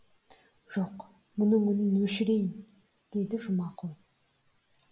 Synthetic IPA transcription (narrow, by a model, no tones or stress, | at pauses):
ʒ̥oq | mʊnəɴʏnɪnwɵʃɪɾe̞jɪn | d̪̥e̞d̪ɪʒʊmɑqəlˠ